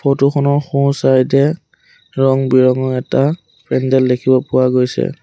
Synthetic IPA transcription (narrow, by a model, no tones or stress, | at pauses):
pʰɔtuxʰɔnɔɹxũsaɹitɛ | ɹɔŋbiɹɔŋɔɛta | pʰɹɛndɛldekʰibɔpʊwaɡojsɛ̰